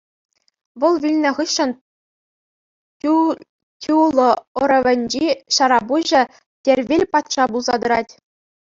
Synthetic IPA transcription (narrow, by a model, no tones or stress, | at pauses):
ʋɤ̆lˠʋʲilʲnʲɘ̆ʁɯɕːɤ̆n | tʲulˠɤ̆oɤ̆ɾɤ̆ʋʲɘ̆nʲd͡ʑiɕɑɾɑbuʑɘ̆ | tʲerʲʋʲelʲpɑt̪ʂɑbulˠzɑd̪ɤ̆ɾɑtʲ